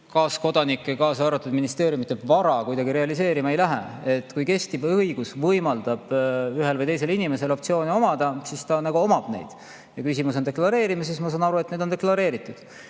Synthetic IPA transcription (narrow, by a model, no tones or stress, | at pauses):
kɑːsko̞d̪̥ɑnikːˑekɑːsɑːɾɑt̪ːud̪̥minist̪e̞ːɾjumit̪ːˑebvɑɾɑkujd̪ɑɡiɾe̞ɑlis̬e̞ːɾimɑe̞jlæɦḛet̪ːˑkujke̞st̪ibɤjɡ̥usvɤjmɑld̪̥ɑb̥yɦelvɤjt̪e̞js̬e̞linime̞se̞lo̞p̚t̪sio̞ːnio̞mɑd̪̥ɑsist̪ɑnɑɡuo̞mɑb̥ne̞̰jd̪̥ | jɑkysimus̬o̞nd̪eklɑɾe̞ːɾimɑsismɑs̬ɑːnɑɾuet̪ne̞jd̪ond̪eklɑɾe̞ːɾit̪ːˑud̪̥